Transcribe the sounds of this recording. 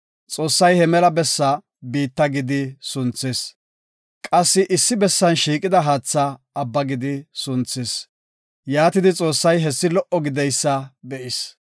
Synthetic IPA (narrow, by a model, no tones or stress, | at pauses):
t͡sʼo̞ːsːɐjhɛmɛlɐbɛsːɐ | biːt̪ːɐɡɪd̪ɪsʊnt͡seːs | kʼɐsːɪʔɪsːɪbɛsːɐnʃiːkʼɪd̪ɐɦaːt͡sːɐː | bːɐɡɪd̪ɪsʊnt͡sːes | jaːt̪ɪd̪ɪt͡sʼo̞ːsːɐjɦɛsːɪlɔʔɔɡɪd̪ɛjsːɐb̪ɛʔɪs